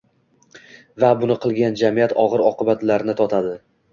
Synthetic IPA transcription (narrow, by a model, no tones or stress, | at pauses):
vabʊnɪqʰɨlˠɡʲand͡ʒamijat̪ʰɒʁɨɾɒqɨbat̪laɾnɪt̪ʰɒt̪ʰad̪ɪ